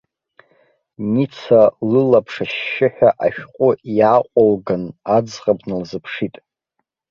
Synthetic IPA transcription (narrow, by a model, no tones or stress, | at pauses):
nit͡sʰalɨlapʰʂaʃːɪħᶣaʔaʃᶣqʷʼʊjaːqʷʼalɡanad͡zqʼabnɨlzɨpʰʂitʼ